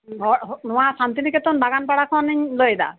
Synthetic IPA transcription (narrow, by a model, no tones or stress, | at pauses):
ɦɔnʊwasantinikɛtɔnbaɡanpaɹakʰɔnɲlojɛda̰